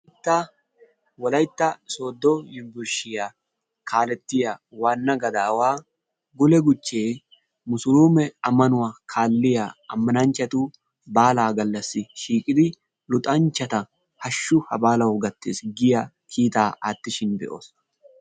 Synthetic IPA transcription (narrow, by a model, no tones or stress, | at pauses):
ɪt̪ːa | wɔlɐjt̪ːɐso̞ːd̪ːojɪmbʊɾʃɪja | kʰaːlɛt̪ːɪjawaːnːɐɡɐd̪aːwaː | ɡʊlɛɡʊt͡ʃːeː | mʊsʊluːmɛɐmːɐnʊwakʰaːlːɪjaɐmːɐnɐnt͡ʃːɐt̪ʊ | baːlaːɡɐlːɐsːɪʃiːkʼɪd̪ɪ | lʊt̪ʼɐnt͡ʃːɐt̪ɐ | hɐʃːʊhɐbaːlɐwɡɐt̪ːḛːsɡɪjɐ | kʰiːt̪aːʔaːt̪ːɪʃɪnb̪ɛ̰ʔo̰ːs